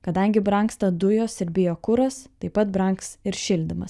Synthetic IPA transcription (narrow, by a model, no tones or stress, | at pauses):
kɐd̪ɐŋʲɡʲɪbɾɐŋkst̪ɐd̪ʊjoːsɪɾʲbʲɪjoːkʊɾɐst̪ɐɪpɐt̪bɾɐŋksɪɾʃʲɪlʲd̪ʲɪmɐs